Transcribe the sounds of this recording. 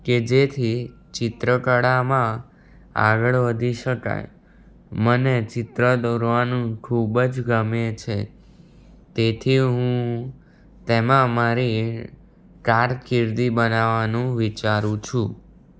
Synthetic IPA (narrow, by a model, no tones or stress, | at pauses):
ked͡ʒet̪ʰi | t͡ʃɪt̪ɾəkəɽamã | a̰ɡəɭʋəd̪ʱiʃəka̰j | mənet͡ʃɪt̪ɾəd̪oɾʋanũkʰubəd͡ʒɡəmjẽt͡ʃʰe | t̪et̪ʰiɦũ | t̪emãmaɾi | kaɾkiɾd̪ibənaʋanũʋit͡ʃaɾũt͡ʃʰũ